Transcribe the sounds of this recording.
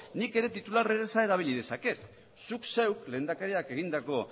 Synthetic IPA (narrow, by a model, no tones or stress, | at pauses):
nike̞ɾe̞t̪it̪ulareɾesae̞ðaβ̞ilið̞e̞sake̞ | sukse̞wkle̞ːnd̪akaɾiake̞ɣ̞ind̪ako̞